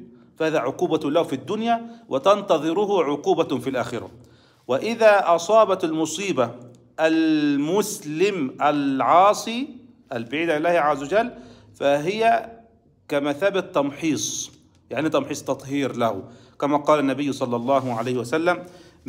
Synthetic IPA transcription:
fahaːðæːʕʊquːbalahfid̪ːʊnjaːwʔɪt̪ɑnt̪ɑðˤɨɾʊhʊʕʊquːbafilʔaːxɪɾa̰ | wɪʔɪðaːʔɑsˤɑːbɑt̪almʊsˤiːba | ʔalmʊslɪmʔalʕɑːsˤiː | ʔalbɪʕiːd̪alɪlːaːhʕazːawad͡ʒalː | faɦɪja | kamaθaːbat̪ːɑmħiːsˤ | jaʕnit̪ɑmħiːsˤt̪ɑt̪ˤhiːɾlahʊkamaːqɑːlanːabɪjːsˤɑlːɑlˤːɑːɦʕalajhɪwasalːam

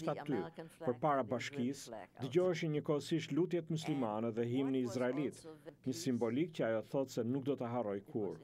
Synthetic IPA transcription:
t̪at̪ypəɾpaɾabaʃkisd̪əɟɔɛʃ̬iɲəkɔəsiʃt̪lut̪jɛt̪muslimanɛðɛɦimniːzɾaɛlit̪ɲəsimbɔlikcəajɔθɔt̪sɛnuk̚d̪ɔt̪əɦarɔjkʰuɾ

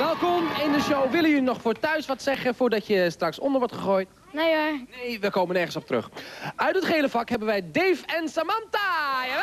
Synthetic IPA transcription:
ʋɛlˠkɔmɪndəʃowʋɪləjylinɔxfoːtœɥsʋɔtsɛɣəfoːɹdɔtjəstraksɔ̰ndəɹʋɔtχəxoːjt | naaneːʋəkoːmənɛrχən̩sɔp̚trɵ̰xœɥtdətχeːləfakhɛbənʋɛjdeːfɛnsamanta

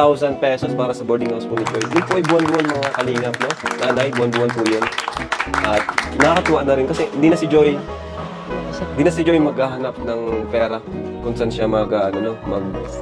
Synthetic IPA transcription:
awsɐnd̪̚pɛːsospaːɾɐsɐbɛɹd̪ɪŋhawspʊnɪd͡ʒojd̪ɪnpʊʔɐjbʊʔɐnbʊʔanmɐŋakɐliːŋɐp̚nonɐlaːɪbʊanbʊʔanpʊjon | ʔɐt̪̚nɐkɐt̪ʊwaʔanɐɾɪnkɐsɛhɪnd̪iːnɐsɪd͡ʒoj | nd̪iːnɐsɪd͡ʒo̞jmɐɡhaːɦɐnap̚nɐŋpɛːɾɐkʊnsanʃamɐɡaʔɐnɐnomɐɡ̚

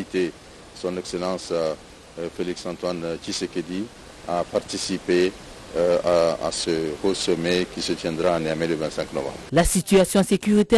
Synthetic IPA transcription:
it̪e | sɔ̃nɛkselɑ̃s | feliksɑ̃nt̪want͡ʃiseked̪i | apaʁt̪isipe | aa̰səhosɔmɛkisət̪jɛ̃nd̪ʁaːneamɛ̃ləvɛ̃t̪sɛ̃ŋknɔ̰vɑ̰̃mbʁlasit̪yasjɔ̃sekʲyʁit̪ɛ

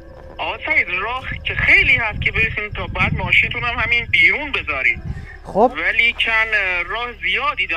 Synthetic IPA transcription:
ʔɒːsæjd̪ɾɒːhcʰexejliːhæst̪̚kʰebeɾxiːmt̪ʰɒːbæːd̪mɒːʃint̪ʰunhæmhæmiːnbiːɾuːnbezɒːɾḭːd | væliːt͡ʃʰænɾɒːhezijɒːd̪iːd̪æ

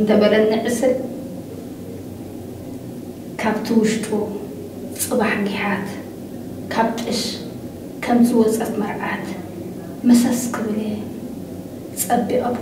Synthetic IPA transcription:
ɨnt̪ʰɐbɐɾɐnːɨʕɨsɨn | kʰaβt̪ʰiwʊʃt̪ʼu | t͡sʼɨβaħɡiħat̪ | kʰaβt̪ʼɨʃ | kʰɐmzɨwɔt͡sʼɐt̪mɐɾʕat̪ | mɐsɐskʰɨβle | t͡sʼɐbːiʔom

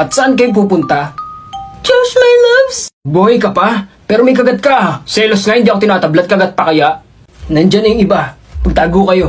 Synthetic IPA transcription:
ʔɐt̪sɐʔank̬ɐjop̬uːp̬ʊnt̪a | t͡ʃosmajlabsboŋɪjkɐpapɛːɾomɐjkɐɡɐt̪̚kasɛlosŋahɪnd̪iːʔɐkot̪ɪnaːt̪ɐblɐt̪̚kɐɡat̪̚pɐkɐjaʔ | nɐnd͡ʒanɐjʊŋʔɪbapɐɡ̚t̪aːɡokɐjo̞

